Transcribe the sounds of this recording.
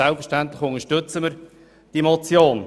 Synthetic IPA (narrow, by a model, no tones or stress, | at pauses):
ɛlˠpfəɾʃtænt̪lɪχʊŋəʃtʏt͡səməɾ | d̥imɔt͡sjoːn